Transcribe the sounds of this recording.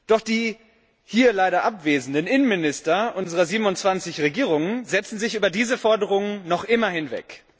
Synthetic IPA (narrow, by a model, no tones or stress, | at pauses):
d̥ɔχd̥iː | hiːɐlaɪɾɐʔapv̥eːzn̩dənʔɪnənmɪnɪstɐʔʊnzəʁɐziːbm̩nʊntt͡sv̥ant͡sɪçʁeɡiːʁʊŋənzɛt͡sn̩zɪçʔyːbɐdiːzəfɔɐdəʁ̞ʊŋənnɔχʔɪmɐhɪnvɛ̰k